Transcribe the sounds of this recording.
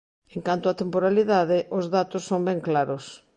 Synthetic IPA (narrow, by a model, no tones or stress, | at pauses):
eŋkant̪ʊat̪empoɾaliðaðɪʔʊzðat̪ʊsːombɛŋklaɾʊs